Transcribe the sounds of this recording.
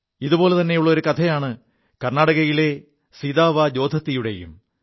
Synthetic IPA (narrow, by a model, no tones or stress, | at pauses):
iðubo̞ːle̞t̪ɐnːe̞juɭːɐo̞ɾukɐt̪ʰɐjaːɳɨ | kɐrnaːɽɐɣɐjile̞ | siðaːʋad͡ʑo̞ːd̪ʱɐt̪ːijuɽe̞̰jṵm